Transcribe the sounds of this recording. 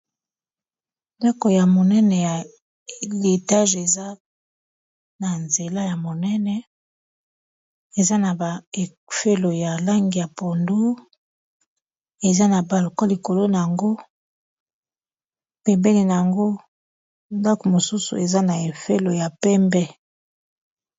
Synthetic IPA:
nda˦ko˨ja˨mo˨nɛ˦nɛ˨ja˨ | le˨ta˦ʒe˨za˦ | na˨nze˨la˦ja˨mo˨nɛ˦nɛ˨ | e˨za˦na˨ba˨ | fe˦lo˨ja˨la˦ŋɡi˨ja˨po˨ndu˦ | e˨za˦na˨ba˨lo˨kɔ˦li˨ko˨lo˦na˨ja˨ŋɡo˦ | pɛ˨mbɛ˦li˨na˨ja˨ŋɡo˦ | nda˦ko˨mo˨su˦sṵ˨e˨za˦na˨e˨fe˦lo˨ja˨pɛ˦mbɛ˦

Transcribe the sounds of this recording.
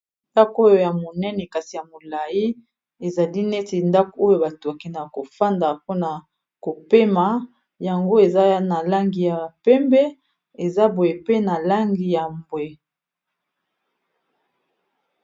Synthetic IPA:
nda˦ko˦jo˨ja˨mo˨nɛ˦nɛ˨ka˨ti˨ja˨mo˨la˨ji˦ | e˨za˨li˦nɛ˦te˨nda˦ko˦jo˨ba˨to˨a˨ki˨na˨ko˨fa˦nda˨po˦na˨ | ko˨pe˦ma˨ | ja˨ŋɡo˦e˨za˦na˨la˦ŋɡi˨ja˨pɛ˦mbɛ˦ | e˨za˦bo˨je˨pe˦na˨la˦ŋɡi˨ja˨mbwe˨

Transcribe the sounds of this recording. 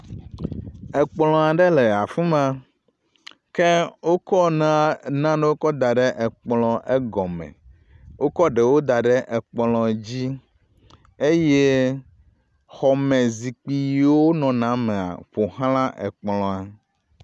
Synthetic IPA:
ɛ˨k͡plɔ̃˨a˨ɖɛ˦lɛ˨a˨fũ˦mã˦ | ke˦wo˦kɔ˦nã˦nã˦ɖe˦wo˦kɔ˦d̪a˨ɖɛ˦ʔɛ˨k͡plɔ̃˨ʔɛ˦ɡɔ˨mɛ̰̃˨ | wo˦kɔ˦ɖe˨wo˦d̪a˨ɖɛ˦ʔɛ˨k͡plɔ̃˨d͡ʑi˦ | e˦je˦ | xɔ˨mɛ̃˨zi˨k͡pi˨˦wo˦nɔ̃˨nã˦mɛ̃˨a̰˨ɸo˨hã˦lã˦ʔɛ̰˨k͡plɔ̃˨a˨

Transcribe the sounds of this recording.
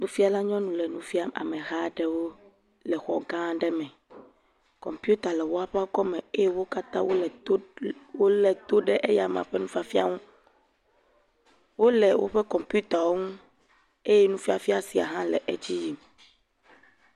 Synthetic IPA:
nũ˦fi˦a˨la˦ɲɔ̃˦nũ˨lɛ˨nũ˦fi˦a˦ma̰˨mɛ̃˨ɣa˦ɖɛ˦wo˦ | lɛ˨xɔ˨ɡã˦ɖɛ˦mɛ̃˨ | kɔ̰˨mpu˦t̪a˨lɛ˨wo˦a˦˨ɸɛ˦a˦kɔ˦mɛ̃˨e˦je˦wo˦ka˦t̪ã˦wo˦lɛ˨˦wo˦lɛ˨t̪o˦ɖɛ˦ʔe˦ja˨m˨ã̰˨ɸɛ˦nũ˦fa˦fi˦a̰˦ŋũ˦ | wo˦lɛ˨wʔo̰˦ɸɛ˦kɔ˨mpu˦t̪a˨wo˦ŋũ˦ | e˦jɛ˦nũ˦fi˦a˨fi˦a˦si˨a̰˨ɦã˦lɛ̰˨ʔḛ˦d͡ʑi˦ji˨m

